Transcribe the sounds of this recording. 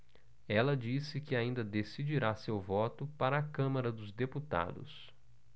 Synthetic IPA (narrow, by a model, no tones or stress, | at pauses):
ɛlɐd͡ʒisɪkɪaĩnd̪ɐd̪esid͡ʒiɾasewvɔt̪ʊpaɾɐːkɐ̃mɐɾɐd̪ʊzd̪eput̪a̰d̪ʊ̰s